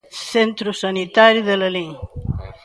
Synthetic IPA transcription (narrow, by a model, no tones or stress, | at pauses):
sent̪ɾusɐnit̪aɾiðələliŋ